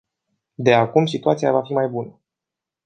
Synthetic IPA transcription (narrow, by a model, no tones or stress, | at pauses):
d̪e̞akumsit̪uat̪sijavafimajbunə